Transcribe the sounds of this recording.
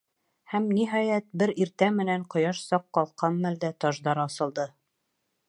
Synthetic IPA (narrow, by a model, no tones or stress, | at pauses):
hæmniɦɑjæt̪̚bɘɾiɾt̪æmɘ̆næɴqŏjɑʃsɑqːɑlˠqɑnmæld̪æt̪ɒʒd̪ɑɾɑsɤ̆lˠd̪ɤ